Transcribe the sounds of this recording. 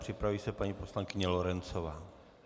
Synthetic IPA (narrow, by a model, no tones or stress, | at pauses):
pr̝̥ɪpɾaviːsɛpaɲipo̞slaŋkɪɲɛlo̞ɾɛnt͡so̞vaː